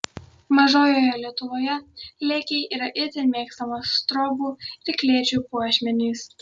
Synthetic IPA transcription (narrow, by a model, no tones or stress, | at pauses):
mɐʒoːjoːjɛlʲiɛt̪ʊʋoːjɛlʲɛːkʲɛɪʔiːɾɐʔɪt̪ʲɛɾmʲeːkst̪ɐmosːt̪ɾɔːbuːɪɾkʲlʲiɛt͡ʃʲuːpuɔʃʲmʲɛnʲiːs